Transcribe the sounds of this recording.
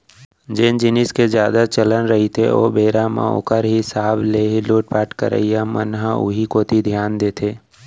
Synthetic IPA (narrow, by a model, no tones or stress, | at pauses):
d͡ʒend͡ʒɪnɪsked͡ʒjaːd̪at͡ʃələnɾəɦit̪ʰeo̰ːbeːɾamã̰o̰ːkəɾɦisaːbleːɦiloːʈ̚paːʈkə̰ɾə̰ijamənɦaʊ̰ɦikoːt̪ʰid̪ʱjaːnd̪eːt̪ʰeː